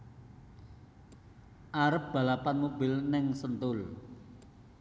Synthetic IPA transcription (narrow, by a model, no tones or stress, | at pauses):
ʔaɾəp̚b̥a̤lapanmob̥ɪlnɪŋsənt̪ʊl